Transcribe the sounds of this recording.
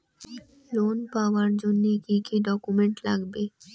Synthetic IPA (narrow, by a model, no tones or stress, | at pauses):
loːnpaːʋəɾd͡ʒʊnːekikiɖɔːkumẽɳʈlaɡbeː